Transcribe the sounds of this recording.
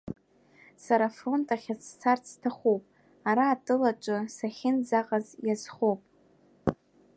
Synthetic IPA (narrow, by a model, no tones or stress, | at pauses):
saɾafro̞ntʼaχʲat͡st͡sʰart͡sʰːtʰaχʷopʼ | aɾaːtʼɨlat͡ʃʷʼɨsaχʲɪnd͡zaqʼazjazχowpʼ